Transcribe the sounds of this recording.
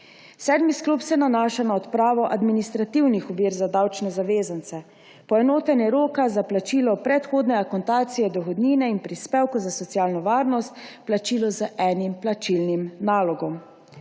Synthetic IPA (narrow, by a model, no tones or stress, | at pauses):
sɛːd̪misklupsɛnanaːʃanaɔt̪pɾaːʋɔʔad̪minist̪ɾat̪iwnixɔʋiːɾzad̪awt͡ʃnɛzaʋeːzant̪sɛ | pɔɛnoːt̪ɛnjɛɾoːkazaplat͡ʃiːlɔpɾɛt̪xoːd̪nɛakɔnt̪aːt̪sijɛd̪ɔɣɔd̪niːnɛinpɾispeːwkɔzasɔt̪sijaːlnɔʋaːɾnɔst̪plat͡ʃiːlɔzəʔɛːnimplat͡ʃilnimnaːlɔɡɔm